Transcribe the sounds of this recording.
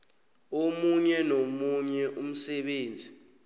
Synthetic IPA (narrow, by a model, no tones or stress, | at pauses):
omuɲɛnomuɲɛʔum̩sɛɓeːnd͡zʱi